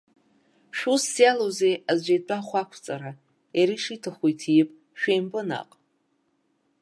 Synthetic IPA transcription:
ʃᶣusːjalozejazʷet͡pʼaχʷakʷʰt͡sʼaɾa | jaɾiʂitʰaχʷojtʰjɪpʼ | ʃᶣejmbʼɨna̰qʼ

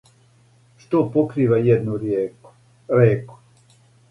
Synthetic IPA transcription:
ʃt̪opokɾiːʋajɛd̪nuɾje | ɾeːku̥

